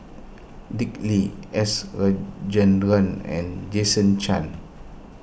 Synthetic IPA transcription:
dikliɛsɹad͡ʒə̃ndɾə̃nɛ̰̃nd͡ʒesə̃nt͡ʃãn

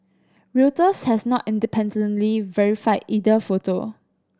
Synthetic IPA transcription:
ɹutəshɛsnɔtĩndipʰɛ̃ndə̃nlivɛɹifaɪdidəfoto

